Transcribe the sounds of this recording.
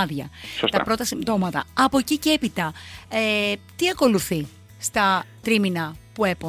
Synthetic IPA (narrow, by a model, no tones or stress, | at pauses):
ðʝɐ̰sst̪ɐpɾo̞t̪ɐsimt̪o̞mɐt̪ɐɐpo̞cicee̞pit̪ɐet̪iɐko̞luθi | st̪ɐt̪ɾiminɐpue̞po